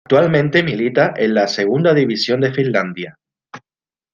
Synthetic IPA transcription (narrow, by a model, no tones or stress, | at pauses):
t̪walmẽ̞nt̪emilit̪aʔenlase̞ɣ̞und̪aðiβ̞isjo̞nd̪efinland̪ja